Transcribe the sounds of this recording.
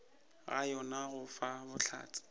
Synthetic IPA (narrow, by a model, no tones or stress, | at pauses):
ɣa̰jɔnaɣʊfabʊt͡ɬʰa̰ːt͡sʰʼɪ̥